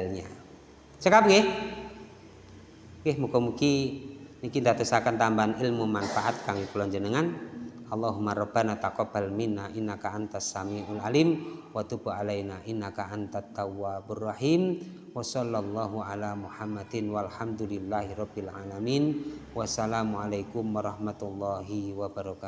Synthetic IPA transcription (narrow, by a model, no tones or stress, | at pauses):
lɲa | t͡ʃəkapɡeh | ɡɛhmukɔmukinikind̪at̪əsakant̪ambanʔilmumanfaʔat̪̚kaŋipəlɔɲd͡ʒənəŋanɑlˤːaɦumaɾˤɔbanat̪akɔbalminːaʔinːakaʔant̪asːamiʔalalimwat̪ubualajnaʔinːakaʔant̪at̪ːawːaburːɑħim | wasɔlːalˤːaɦuʔalamuħamːad̪nwalhamd̪ulilːaɦiɾɔbilʕalamiːnwasalamualajkumwaɾˤɑhmat̪ulːɑɦiwabaɾɔka